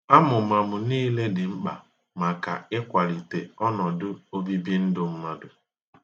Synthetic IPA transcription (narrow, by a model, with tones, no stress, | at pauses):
a˦mʊ˨ma˨mʊ˨niː˦le˦dɪ˨m̩˦k͡pa̰˨ | ma˨ka̰˨ɪ˦kʷa˨ɾi˨te˨ɔ˦nɔ˨dʊ˦o˦bi˦bi˦n̩˦dʊ˦m̩˦ma˦dʊ˨